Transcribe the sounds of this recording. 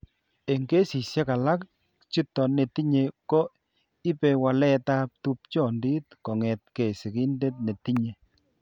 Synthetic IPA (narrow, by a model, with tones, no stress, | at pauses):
e˨ŋɡe˦si˨sje˦ka˨la˦k̚ | t͡ʃi˦tːɔ˨ne˨ti˦ɲe˨kɔ˦ | i˦pe˧wa˨lɛ˦ta˦p̚tu˦p̚t͡ʃɔ˦˨ndi˦t̚kɔ˨ŋɛ˨t̚ke˨si˨ki˦nde˦t̚ne˨ti˦ɲe˨